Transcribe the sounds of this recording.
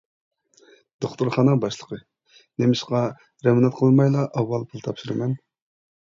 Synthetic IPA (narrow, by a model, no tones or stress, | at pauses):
d̪̥oχt̪uɾχɑːnəŋbɑʃlˠəqʰə | nemɪʃqɑ | ɾɛmnɑt̪̚qʰəlˠɨnmɑjlˠɑʔɑwːɑlˠpʰulˠt̪ʰɑpʃiɾɨmɛn